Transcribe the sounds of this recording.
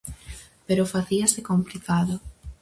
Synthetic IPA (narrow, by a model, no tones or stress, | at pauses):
peɾofaθiasekomplikaðo